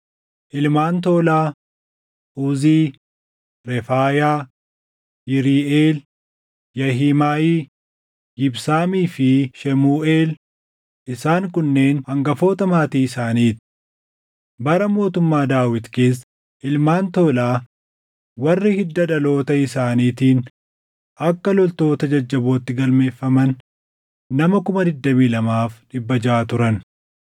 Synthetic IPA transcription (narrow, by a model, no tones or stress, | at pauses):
ʔɪlmaːnt̪o̞ːlaː | ʔuːziː | ɾɛfaːjaː | jɪɾiːʔeːl | jɐɦiːmaːʔiː | ɡɪbsaːmiːfɪʃɛmuːʔe̞ːl | ʔɪsaːŋkʊnːe̞ːnhɐŋɡɐfo̞ːt̪ɐmaːt̪iːɪsaːniːt̪ɪ̥ | bɐɾɐmo̞ːt̪ʊmːaːd̪aːwɪt̪ke̞ːs̬ː | ʔɪlmaːnt̪oːlaː | wɐrːɪhɪd̪ːɐᶑɐlo̞ːt̪ɐɪsaːniːt̪iːn | ʔɐkːɐlɔlt̪o̞ːt̪ɐd͡ʒɐd͡ʒːɐboːt̪ːɪɡɐlme̞ːfːɐmɐnː | ɐmɐkʊmɐd̪ɪd̪ːɐmiːlɐmaːfᶑɪbːɐd͡ʒaːt̪ʊɾɐn